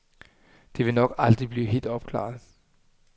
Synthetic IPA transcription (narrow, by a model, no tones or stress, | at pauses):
d̥e̝ʋe̝nɒ̽ɡ̥ɑ̈ld̥ʁib̥liːɦe̝̰ːld̥ɒ̽b̥̚kʰlɑ̰̈ːð̩ˠ